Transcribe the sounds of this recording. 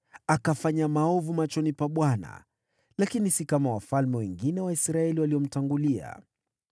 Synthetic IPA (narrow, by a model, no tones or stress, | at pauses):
akafaɲamaɔvumat͡ʃɔnipaɓwana̰ | lakinisikamawafalmɛwɛŋɡinɛwaisɾaɛliwaliɔm̩taŋɡulia̰